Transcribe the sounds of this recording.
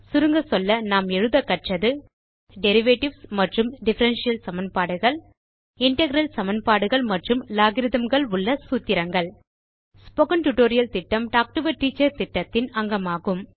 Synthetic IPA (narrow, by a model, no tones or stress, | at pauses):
sʊɾɯŋɡɐsɔlːɐnaːmɛɻɯðɐkːɐʈrɐðɯ | ɖɛɾɪʋeːʈɪʋsmɐʈrɯmɖɪfɐɾɐnʂɪjɐlsɐmɐnpaːɽɯɣɐɭ | ɪɳʈɐɣɾɐlsɐmɐnpaːɽɯɣɐɭmɐʈrɯmlaːɣɪɾɪðɐmɡɐɭʊɭːɐsuːt̪ːɪɾɐŋɡɐɭ | spɔɣɐnʈʊʈoːɾɪjɐlt̪ɪʈːɐmʈaːk̚ʈɯʋɐɾʈiːt͡ʃːɐɾt̪ɪʈːɐt̪ːɪnɐŋɡɐmaːɣɯm